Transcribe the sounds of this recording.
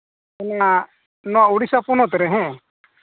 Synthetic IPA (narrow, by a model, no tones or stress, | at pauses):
ɛnaŋa | nɔauɽisapunɔt̪ɛɾɛɦɛ̃